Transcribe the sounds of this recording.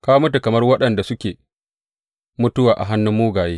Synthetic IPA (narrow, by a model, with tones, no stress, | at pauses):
kaː˦mʊ˦t̬u˨kɐ˨mɐ˦rwɐ˦ɗɐ˨nda˨sʊ˦kʲeː˨ | mʊ˦tʊ˦waː˨ʔa̰˨ɦa˦nːʊ˦mːuː˦ɡaː˨jeː˦